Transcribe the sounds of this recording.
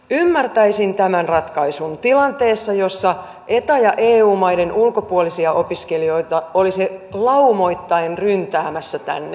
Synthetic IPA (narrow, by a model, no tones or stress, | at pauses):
ymːært̪æisint̪æmænrɑt̪kɑisunt̪ilɑnt̪e̞ːsːɑjo̞sːɑ | ʔe̞t̪æjɑʔeːuːmɑjde̞nʔulko̞puolisiɑʔo̞piskelijo̞it̪ɑoliselɑumo̞it̪ːɑenrynt̪æːmæsːæt̪æ̰nːe